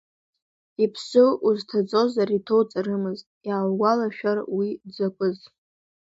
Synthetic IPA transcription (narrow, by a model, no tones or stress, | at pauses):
ipʰsɨuztʰad͡zʼo̞zaɾitʰo̞wt͡sʼaɾɨmɨztʼjaːwɡʷalaʃᶣarwid͡zakʷʼʊz